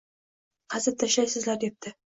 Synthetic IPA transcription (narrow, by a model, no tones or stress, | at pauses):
qʰɑzɪp̚t̪ʰːaʃlajsɪzlaɾd̪ep̚t̪ʰɪ